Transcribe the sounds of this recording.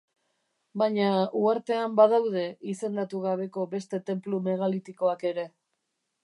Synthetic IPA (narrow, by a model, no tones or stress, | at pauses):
baɲauaɾt̪e̞ambaðawðe̞ise̞nd̪at̪uɣaβ̞e̞ko̞be̞st̪e̞t̪e̞mplume̞ɣalit̪iko̞ake̞ɾe̞